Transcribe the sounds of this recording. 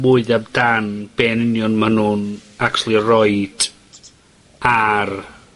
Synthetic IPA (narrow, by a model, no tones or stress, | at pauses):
mʊɨðabdanb̥ɛːnɪnjɔnmənuːnaktʰlˠirɔɨd̥ | ar